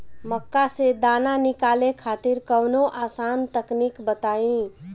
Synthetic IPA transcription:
məkːased̪ananikalekʰat̪iɾkəwnoʔasant̪əknikbət̪aĩ

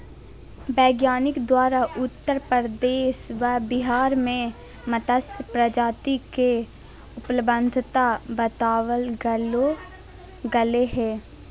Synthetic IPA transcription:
bɛːɡjaːnɪkd̪waːɾaʔʊt̪ːəɾpəɾd̪eːʃʋəbɪɦaːɾmẽ | mət̪əspɾəd͡ʒaːt̪ike | ʊpləbə̃nd̪ʱt̪abət̪aːwəlɡ | ɡɐleɦɛː

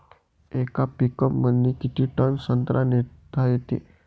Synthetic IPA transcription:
ekapikəpmənːikit̪ʰiːʈənsənt̪ɾʔanet̪ʰajet̪ḛ

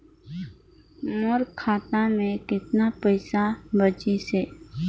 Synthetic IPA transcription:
mʊɾkʰːaːt̪amẽkɪt̪napəɪsabət͡ʃiseː

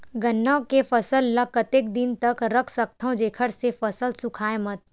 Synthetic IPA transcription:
ɡɐnːawkefɐsəlːəkət̪ek̚d̪ɪnt̪ɐkɾəkʰsək̚t̪ʰõd͡ʒeːkʰəɽsefɐsəlsʊkʰaːemət̪

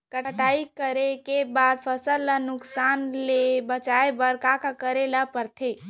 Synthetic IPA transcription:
kəʈaikəɾekebad̪̚pʰəsəlːənuksanlebət͡ʃaebəɾkakakəɾelapəɾt̪ʰe

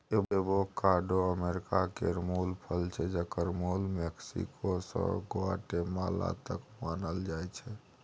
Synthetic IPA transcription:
eebokaɾɖoəmeɾikakeɾmulpʰəlt͡ʃʰɛd͡ʒəkəɾmulmeksḭkosə̰̃ɡoaʈemala̰t̪əkmanəld͡ʒajt͡ʃʰɛ

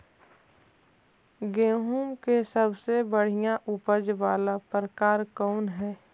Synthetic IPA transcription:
ɡeːɦuːmkesəbsebəɽ̤ijãʔupəd͡ʒʋaːlapɾəkaːɾkɔːnɦɛː

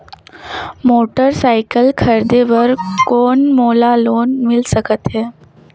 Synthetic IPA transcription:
moːʈəɾsaɪkəlkʰəɾd̪eʋəɾkoːnmoːlaloːnmɪlsəkət̪ɦɛː

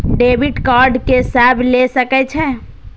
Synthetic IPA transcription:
ɖeːbɪɖkaːɾɖkesɛːblesəkɛt͡ʃʰɛ

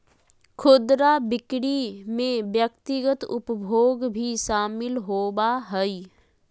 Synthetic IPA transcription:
kʰʊd̪ɾabɪkɽimẽʋjəkt̪ɪɡət̪ʊ̰pbʱoːɡbʱiʃaːmɪlɦoːbaɦɛi

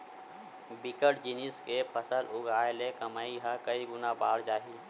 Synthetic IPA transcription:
bɪkəʈd͡ʒiniskepʰəsəlʔʊɡaːelekɐmaːiɦakəiɡʊnabaːɾd͡ʒaːɦi

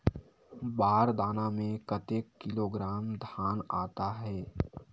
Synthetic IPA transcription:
baːɾd̪aːnamẽkɐt̪eːkːɪloːɡɾaːmd̪ʱaːnaːt̪aɦɛː

